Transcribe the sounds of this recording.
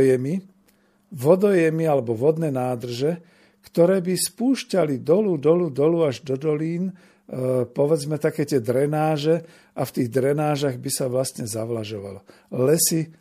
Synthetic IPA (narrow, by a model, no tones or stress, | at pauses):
jɛmi | ʋɔd̪ɔjɛmialɛbɔʋɔd̪nɛːnaːd̪r̩ʒɛ | kt̪ɔɾɛːbispuːʃcalid̪ɔlud̪ɔlud̪ɔluaʒd̪ɔd̪ɔliːn | pɔʋɛd͡zmɛt̪akɛːt̪ɪɛd̪ɾɛnaːʒɛ | ʔaft̪iːɣd̪ɾɛnaːʒaɣbisaʋlast̪ɲɛzaʋlaʒɔʋa̰lɔ | lɛsi